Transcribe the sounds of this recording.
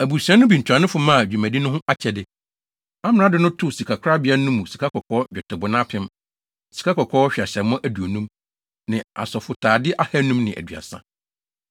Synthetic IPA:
æ˨bu˨sɛ̃˦nʊ̃˦bĩ˨n˨tʰa˨nʊ̃˦fʊ˨mã˦˨d͡ʑᶣu˨mæ̃˨di˦nʊ̃˦ɦʊ̃˦ʔa˦t͡ɕʰɛ˨dɪ˨ | a˦m˨nã˦dɪ˦nʊ̃˦tʰʊ˦si˨kʰa˨kʰʷʊ˦ɾa˦bɪ˨˦a˦nũ˦mːũ˨si̥˨kʰa˦kʰɔ˨kʰɔ˦d͡ʑᶣɛ˨tʰɪ˨bʊ˨nã˦pʰɪ̃˦m | si̥˨kʰa˦kʰɔ˨kʰɔ˦ɕᶣa˨ɕɛ˨m˦mʊ̃˦ʔæ˨du˨o˨nũ˦m | nɪ̃˨a̰˨sɔ˨fʊ˨tʰaː˨dɪ˦ʔa˦hæ˦nũ˦mnɪ̃˨ʔæ̰˨dɥa̰˨sã̰˦

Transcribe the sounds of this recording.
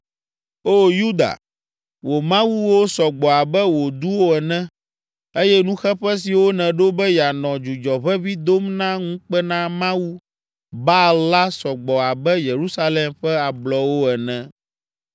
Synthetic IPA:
o˦ju˦d̪a̰˨ | wo˨mã˦wu˦wo˦sɔ˨ɡ͡bɔ˨a˨bɛ˦wo˨d̪u˦wo˦ɛ˨nɛ̃˦ | e˦jɛ˦nũ˦xɛ˦ɸɛ˦s̬i˨wo˦nɛ̃˨ɖo˦bɛ˦ja˨nɔ̃˨d͡ʒu˨d͡ʒɔ˨βɛ˦vi˦d̪o˦mnã˦ŋũ˦k͡pɛ˦nã˦mã˦wu˦ | ba˦lla˦sɔ˨ɡ͡bɔ˨a˨bɛ˦je˨ɾu˦sa˦lɛ˦mɸɛ˦a˨blɔ˨wo˦ɛ˨nɛ̃˨

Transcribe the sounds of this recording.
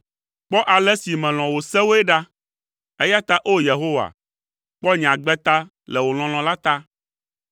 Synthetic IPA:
k͡pɔ˦ʔa˨lɛ˦si˨mɛ̃˨l̃ɔ̃˨wo˨sɛ˦wo˦ɛ˦ɖa˦ | e˦ja˦t̪a˦ʔo˦je˨ɦo˦wa̰˨ | k͡pɔ˦ɲ̃˨ã˨ɡ͡bɛ˦t̪a˦ | lɛ˨wo˨l̃ɔ̃˨l̃ɔ̃˨la˦t̪a˦

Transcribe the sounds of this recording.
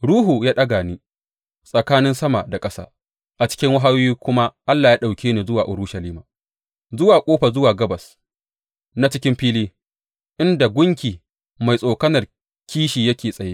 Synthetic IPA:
ɽuː˦ɦu˨jaː˦ɗɐ˦ɡaː˨niː˦ | sʼɐ˨kaː˦nɪ˦nsɐ˦ma˨da˨kʼɐ˦sa̰ː˦ | ʔa˨t͡ʃɪ̥˦kʲɪ˦ŋwa˦ɦaː˦wiː˦kʷʊ˦ma˦ʔa˦lːaː˨jaː˦ɗa˨wkʲeː˦neː˨zʊ˦waː˨ʔʊ˨ɾʊ˦ʃɐ˨liː˦maː˨ | zʊ˦waː˨kʷʼoː˦ɸa˨zʊ˦waː˨ɡɐ˦bɐ˨s | na˦t͡ʃɪ˦kʲɪ˦mɸiː˦liː˦ | ʔɪ˦nda˨ɡʷʊ˦ŋkʲiː˨ | ma˨jsʼoː˨kɐ˦nɐ˨r | kʲʰiː˦ʃiː˨jɐ˦kʲeː˨sʼɐ˨jeː˦

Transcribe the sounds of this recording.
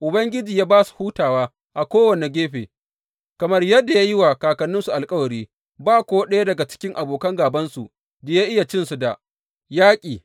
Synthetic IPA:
ʔʊ˨bɐ˦ŋɡʲɪ˦d͡ʒiː˨jaː˦baː˦su̥˨huː˦taː˨waː˦ | ʔa˨kʷoː˦wɐ˨ne˨ɡʲeː˦ɸeː˨ | kɐ˨mɐ˦rjɐ˦dːa˨ja˦jɪ˦wa˨kaː˨kɐ˨nːʊ˦nsu˨ʔa˨lkʼɐ˦wɐ˨ɾiː˦ | baː˦kʷoː˦ɗe˦ja˦dɐ˨ɡa˨t͡ʃɪ̥˦kʲɪ˦ŋʔa˨boː˨kɐ˦ŋɡaː˨bɐ˦nsu˨ | da˨ja˦ʔɪ˦ja˨t͡ʃɪ˦nsu˨da̰˨ | jaː˦kʲʼiː˨

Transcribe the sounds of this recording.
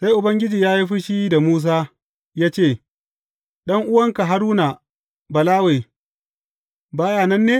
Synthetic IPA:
sa˦jʔʊ˨bɐ˦ŋɡʲɪ˦d͡ʒiː˨jaː˦ji˦ɸi˦ʃi˦da˨muː˦s̬aː˦ | jaː˦t͡ʃeː˦˨ | ɗɐ˦ŋʔʊ˦wɐ˦ŋka˨ɦa˦ɾuː˦na˨ | bɐ˨laː˦we˨ | baː˦jaː˦˨nɐ˦nːeː˦

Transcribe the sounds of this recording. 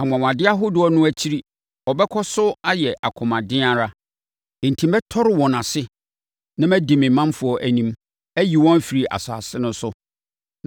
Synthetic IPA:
a˨ŋ˨ã˨w̃ã˨dɪ˦a˦ɦʊ˦dʊ˦ɔ˦nʊ̃˦æ˦t͡ɕʰi˦ɾi˦ | ɔ˨bɛ˦kʰɔ˦sʊ˦a˦jɛ˨ʔa˨kʰʊ̃˨mã˨dɪ̃˦a˨ɾa˦ | ẽ˨n̩˨tʰĩ˨m˦bɛ˦tʰɔ˦ɾɪ˦wɔ̃˨nã˨sɪ˦ | nã˦mæ̃˦dĩ˨mɪ̃˨mːã˦mfʊ˨˦ɔ˦ʔæ˨nĩ˦m | æ˦ji˨wɔ̃˦m˦fi˨ɾi˨ʔa̰˨sa̰˨sɪ˦nʊ̃˦sʊ˦

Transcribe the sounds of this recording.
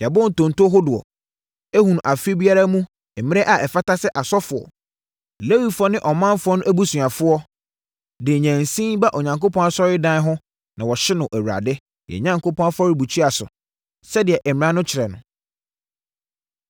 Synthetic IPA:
ja˨bɔ̃˦n̩˨tõ˨n˨to˦ɦʊ˦dʊ˨ɔ̰˨ | e˦hũ˨n˨ʔa˨fi˦bi˦a˦ɾa˦mũ˦ | ɛ˨mɪ̃˦ɛ˦ʔa˨ʔɛ˨fa˦ta˦sɛ˦ʔa˨sɔ˦fʊ˨ɔ̰˨ | le˦wi˦fɔ˦nɪ̃˦ʔɔ˨mã˦m˦fʊ˦ɔ˦nʊ̃˦ʔæ˦bu˦sũ˨a˨fʊ˦ɔ˦ | dɪ˨ɲæ̃˨n˨sĩ˦ba˦ʔo˨ɲã˨ŋko˦pʰɔ̃˦na˦sɔ˦ɾɪ˦dã˦n˦ɦʊ̃˦ | nã˨wɔ˨ɕɪ˦nʊ̃˨ʔæ˨wɾa̰˨dɪ˦ | jɛ̰˨ɲã˨ŋko˦pʰɔ̃˦fɔ˦ɾɪ˦bu˨t͡ɕʰi˦a˨sʊ̰˨ | sɛ˦dɪ˨ɛ˨ʔɛ˨mɪ̃˨ɾã˦nʊ̃˦t͡ɕʰɪ˨ɾɛ˨nʊ̰̃˨

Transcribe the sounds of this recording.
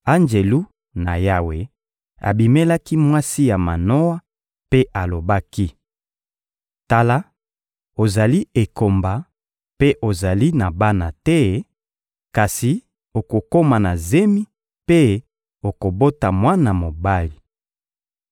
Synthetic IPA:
a˦nd͡ʒe˨lu˦ | na˨ja˦we˨ | a̰˨bi˨me˦la˦ki˦mwa˦si˦ja˨ma̰˨no˦wa˦ | pe˦ʔa˨lo˨ba˦ki˦ | ta˦la˦ | o˨za˨li˦e˨ko˨mba˨ | pe˦ʔo˨za˨li˦na˨ba˦na˨tɛ˦ | ka˨si˨ | o˨ko˨ko˦ma˨na˨ze˦mi˦ | pe˦ | o˨ko˨bo˦ta˨mwa˦na˨mo˨ba˦li˨

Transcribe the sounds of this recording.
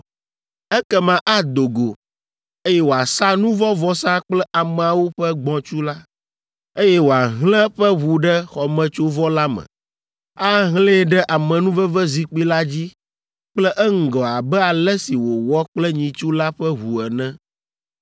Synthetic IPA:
ɛ˦kɛ˦mã˨ʔa˦d̪o˨ɡo˨ | e˦jɛ˦wo˨a˨sa˦nũ˦vɔ˦vɔ˦sa˦k͡plɛ˦ʔa˨mɛ̃˨a˨wo˦ɸɛ˦ɡ͡bɔ̃˨t͡ʃu˦la˦ | e˦jɛ˦wo˨a˨ɦlɛ̃˦ɸɛ˦wu˨ɖɛ˦xɔ˨mɛ̃˨t͡ʃo˦vɔ˦la˦mɛ̰̃˨ | a˦ɦlɛ̃˦ɖɛ˦ʔa˨mɛ̃˨nũ˦vɛ˦vɛ˦zi˨k͡pi˦la˦d͡ʑi˦ | k͡plɛ˦ʔɛ˦ŋ̩˨ɡɔ˨a˨bɛ˦a˨lɛ˦si˨wo˨wɔ˦k͡plɛ˦ɲĩ˨t͡ʃu˦la˦ɸɛ˦ɦu˨ɛ˨nɛ̃˦

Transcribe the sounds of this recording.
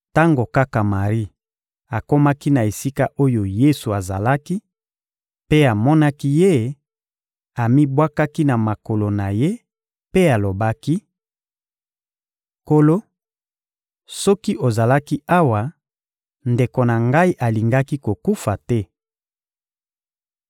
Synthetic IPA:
ta˦ŋɡo˨ka˦ka˨ma˨ʁi˦ | a˨ko˦ma˦ki˦na˨e˨si˦ka˦ʔo˦jo˨je˦su˨a˨za̰˨la˦ki˦ | pe˦a˨mɔ˦na˦ki˦je˦ | a˨mi˦bwa˦ka˦ki˦na˨ma˨ko˨lo˨na˨je˦ | pe˦a˨lo˨ba˦ki˦ | ko˨lo˦ | sɔ˦ki˦ʔo˨za˨la˦ki˦a˦wa˨ | nde˨ko˨na˨ŋɡa˦i˦ʔa˨li˨ŋɡa˦ki˦ko˨ku˦fa˨tɛ˦

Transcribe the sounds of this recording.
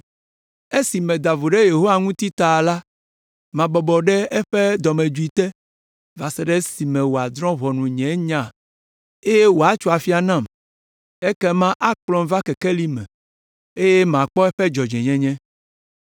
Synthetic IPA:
e˦si˨mɛ̃˨d̪a˨vo˨ɖe˦je˨ɦo˦wa˦˨ŋũ˦t̪i˦t̪a˨la˦ | mã˨bɔ˨bɔ˨ɖɛ˦ɛ˦ɸɛ˦d̪ɔ˨mɛ̃˨d͡ʒu˦i˨t̪ɛ˦ | va˨sɛ˨ɖɛ˦si˨mɛ̃˨wo˨a˨d̪ɾɔ̃˦βɔ˨nũ˨ɲɛ̃˨˦ɲã˨ | e˦je˦wo˨a˨˦t͡ʃu˦a˨fi˦a˨nã˦˨m | e˦kɛ˦mã˦ʔa˦k͡plɔ̃˦m˦va˦kɛ˨kɛ˦li˦mɛ̰̃˨ | e˦je˦mã˨k͡pɔ˦ɛ˦ɸɛ˦d͡ʒɔ˨d͡ʒɛ̃˨ɲɛ̃˦ɲɛ̃˦

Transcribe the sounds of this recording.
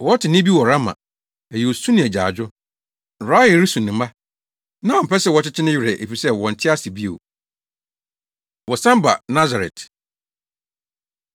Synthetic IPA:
wɔ˦ɔ˦tʰɪ˨nɪ̃˦bi˦wɔ˨ɾa˦mã̰˨ | æ˨i˨o˨sũ˦nɪ̃˨ɛ˨d͡ʑa̰ː˨d͡ʑᶣʊ˦˨ | ɾa˦jɛ˨˦ɾi˦sũ˨nʊ̃˨ma˦ | nã˦ɔ˨m̩˨pɛ˦sɛ˦wɔ˨˦t͡ɕɪ˦t͡ɕʰɪ˦nɪ̃˦ɥɪ˨ɾɛ˨ʔḛ˨fi˨sɛ˦wɔ̃˨n̩˨tʰɪ˦a˦si˨bi˦o̰˨ | wɔ˨sã˦m˦ba̰˨nã˦za˨ɾɛ̰˨t

